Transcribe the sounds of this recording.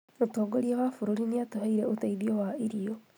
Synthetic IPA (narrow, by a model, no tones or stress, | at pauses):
otoːɡoɾjawafuɾoɾiniatohaiɾeotaiðiowaiɾio